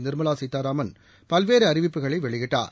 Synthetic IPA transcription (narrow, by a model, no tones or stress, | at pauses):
nɪɾmɐlaːsɪt̪ːaːɾaːmɐn | pɐlʋeːɾɯɐɾɪʋɪpːɯɣɐɭɐɪʋɛɭɪɣɪʈːa̰ːɾ